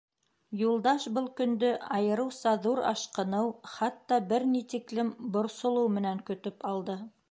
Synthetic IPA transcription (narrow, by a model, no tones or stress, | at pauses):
julˠd̪ɑʃbɤlˠkɵ̆nd̪ɵɑjɤ̆ɾɤ̆wsɑðuɾɑ̰ʃqɤ̆nɤwχɑt̪ːɑbɘɾnit̪iklɘmbŏɾsŏlˠɤwmɘ̆næŋkɵ̆t̪ɵpɑlˠd̪ɤ